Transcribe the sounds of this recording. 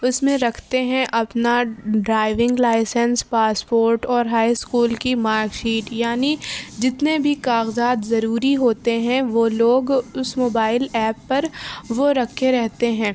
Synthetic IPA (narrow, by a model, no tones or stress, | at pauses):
ʊsmẽɾɐkʰt̪eɦɛ̃ʔɐpnaɖɾaːɪʋɪ̃ŋɡlaːɪsənspaːspoːɾʈɔːɾɦaːɪskuːlkimaːɾkʃiːʈjaːnid͡ʒɪt̪nebʱikaːɣzaːt̪zɐɾuːɾiɦoːt̪eɦɛ̃ʋoloːɡʊsmoːbaːɪlɛːpːɐɾʋoɾɐkʰːeɾɛɦt̪eɦɛ̃ː